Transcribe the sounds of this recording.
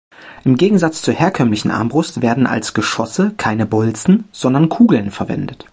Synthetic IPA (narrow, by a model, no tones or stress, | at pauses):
ʔɪmɡeːɡŋ̩zat͡st͡suːɐheːɐkʰœmlɪçn̩ʔa̰ɐmbʁʊstv̥eːɐdn̩ʔa̰lsɡ̥əʃɔsəkʰaɪnəbʊlt͡sn̩z̥ɔndɐnkʰuːɡl̩nfɛɐvɛ̰ndət